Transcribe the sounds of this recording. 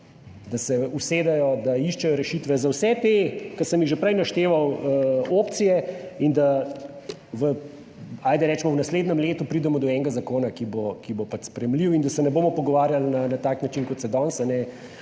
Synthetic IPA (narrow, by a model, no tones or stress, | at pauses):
d̪asɛuseːd̪ɛjɔd̪aiʃt͡ʃɛjɔɾɛʃit̪ʋɛzawsɛt̪ekɐsəmjiɣʒɛpɾɛjnaʃt̪eːʋawəopt̪sijɛind̪a | ʋə | aːjd̪ɛɾɛːt͡ʃmɔwnasleːd̪nɛmleːt̪upɾiːd̪ɛmɔd̪ɔɛŋɡazakoːnakibokibopat͡ʃspɾɛjɛmliwind̪asɛnɛboːmɔpɔɡɔʋaːɾjalnanat̪aːknat͡ʃinkɔt̪sɛd̪ɔnsanɛ